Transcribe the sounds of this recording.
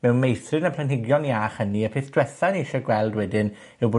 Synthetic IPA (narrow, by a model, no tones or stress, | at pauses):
mɛwnmejθrɨnəpʰlənɦɪɡjɔniaχəniəpʰeθd̥wɛθaniɪɬɔɡwɛlˠdwɛdɪn | ɪwbo